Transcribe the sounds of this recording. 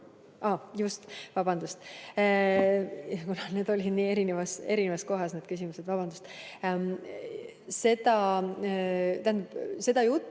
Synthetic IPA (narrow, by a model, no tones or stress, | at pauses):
ɑːjust̪vɑb̥ɑnd̪ust̪ | jɑkunɑne̞ːd̪o̞lʲid̪̥niːe̞ɾinevɑse̞ɾinevɑsko̞ɦɑsneːd̪̥̚kys̬ʲimused̪vɑb̥ɑnd̪ust̪ | se̞d̪ɑ | t̪æhænd̪ɑb̥se̞d̪̥ɑjut̪ːˑ